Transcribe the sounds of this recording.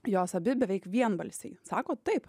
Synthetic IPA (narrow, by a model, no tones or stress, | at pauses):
joːsɐbʲɪbʲɛʋʲɛɪkʋʲiɛnbɐlʲsʲɛɪsɑːkoːt̪ɐɪp